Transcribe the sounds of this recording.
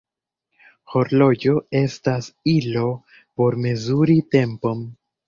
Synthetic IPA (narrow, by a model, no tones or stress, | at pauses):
ho̞ɾlo̞d͡ʒo̞e̞stasilo̞ | po̞ɾme̞zuɾite̞mpo̞m